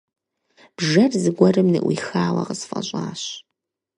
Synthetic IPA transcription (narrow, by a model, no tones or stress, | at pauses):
b̥ʒɐrzɨɡʷɐrɨmnɨ̰ʔwʷixaːwɐqəsfʼɐ̰ɕʼaːɕ